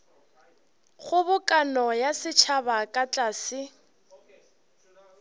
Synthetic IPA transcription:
ɣʊbʊkʼanɔjasɪt͡ʃʰabakʼat͡ɬʼaːsɪ

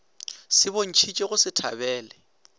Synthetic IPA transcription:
sɪbon̩t͡ʃʰit͡ʃʼeɣʊsɪtʰa̰bɛːlɛ

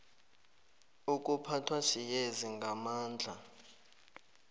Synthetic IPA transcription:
uk̬ʼupʰatʰwaʃijeziŋɡʱamaːnd͡ɮʱa

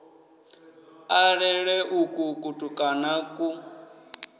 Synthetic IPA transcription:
aɺɛɺɛʔukʼukʼutʼukʼanakʼu

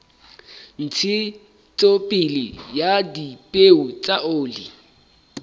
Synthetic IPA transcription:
n̩t͡sʰɪ | t͡sʼopʼɪlɪ̰jadipʼeut͡sʼaoːlɪ̰

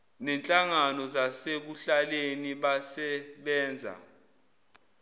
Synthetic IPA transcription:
nɛnt͡ɬʼaŋanɔzasek̬uɬaleniɓasɛɓɛːnd͡zʱa̰

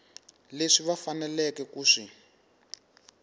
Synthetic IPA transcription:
leʂiβafanɛlɛkɛkuːʂi

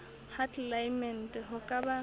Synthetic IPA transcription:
hatʰʼlajmɛn̩tʼɦʊkʼaba

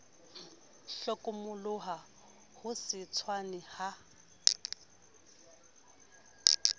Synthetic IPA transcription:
ɬɔkʼʊmʊlʊɦa | hʊsɪt͡sʰwanɪha

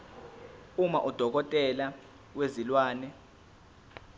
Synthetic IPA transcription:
umaʔud̥ʱɔk̬ɔtʼɛla | wezilwaːnɛ

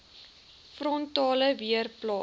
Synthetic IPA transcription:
frɔntɑːləviərplɑː

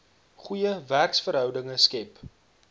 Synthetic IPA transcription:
χujəværksfəɾɦœwdəŋəskɛp

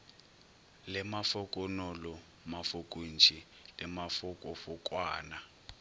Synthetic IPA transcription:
lɛmafʊkʼɔnɔlɔ | mafukʼunt͡ʃʰʼi | lɛmafʊkʼɔfʊkʼwaːna

